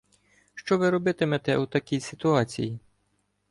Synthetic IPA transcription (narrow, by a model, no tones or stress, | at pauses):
ʃt͡ʃɔʋɪɾɔbɪt̪emɛt̪ɛ̰ut̪ɐkʲijsʲɪt̪ʊɑt͡sʲḭji